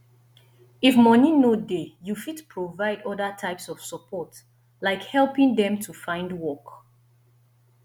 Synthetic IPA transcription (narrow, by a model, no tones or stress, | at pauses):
ifmɔnĩnodejufitpʰɹovaɪdɔdətʰaɪpsɔv̥səpʰɔt | laɪkhɛlpɪ̃ŋdɛ̃mtʰufãɪ̃ndwɔk